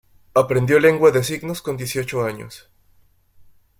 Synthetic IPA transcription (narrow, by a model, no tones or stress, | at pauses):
apɾe̞nd̪jo̞le̞ŋɡwaðesiɡno̞sko̞nd̪je̞sjo̞t͡ʃoaɲo̰s